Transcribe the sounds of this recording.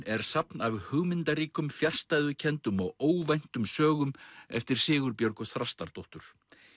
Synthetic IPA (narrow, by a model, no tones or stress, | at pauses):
ɛɾ̥sapnavhʏɣmɪnt̪aɾiːkʏmfjar̥st̪ajðʏcʰɛnt̪ʏmɔɣoːwvajn̥t̪ʏmsœːɣʏmɛ̰ft̪ɪɾ̥sɪːɣʏɾpjœɾkʏθɾast̪aɾt̪owht̪ʏɾ̥